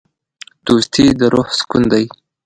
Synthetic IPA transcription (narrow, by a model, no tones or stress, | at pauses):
d̪̥ost̪ʰid̪əɾohskund̪aj